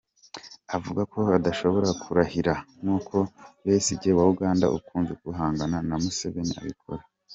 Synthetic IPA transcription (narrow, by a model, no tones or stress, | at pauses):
avuɡakʰo̞adaʃo̞βo̞ɾakʰuɾahiɾaŋuːkʰo̞βeːsiɟewauɡaːnda̰ʔṵkʰuːnzekuɦaːŋɡananamuseβe̞nḭa̰βikʰo̞̰ɾḁ